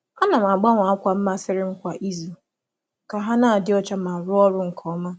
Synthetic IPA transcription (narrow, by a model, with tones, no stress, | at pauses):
a˦na˨m̩˨a˨ɡ͡ba˦ŋʷa˨a˦kʷa˦m̩˦ma˦sɪ˦ɾɪ˦ŋ͡m̩˦kʷa˨ʔi˦zu˨ | ka˨ɦa˦naː˦˨dɪ˦ɔ˦t͡ʃa˦ma˨ɾʊ˦ɔ˦ɾʊ˦ŋ̩˨kʰɔ˦ma˦